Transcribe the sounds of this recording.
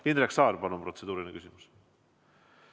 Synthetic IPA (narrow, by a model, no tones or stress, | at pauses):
inɾeksɑːɾbɑnumpro̞t̪se̞d̪uːɾilnkysimus